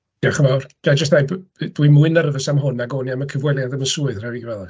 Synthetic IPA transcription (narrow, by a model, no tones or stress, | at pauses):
d̥aχənawrɡ̥ad͡ʒəs̬tðejbd̥wimuɨnəɾəvəsamɦʊnaɡoːniaməkʰəvwɛlˠjadəməsuːɨðradiɡvɛlˠa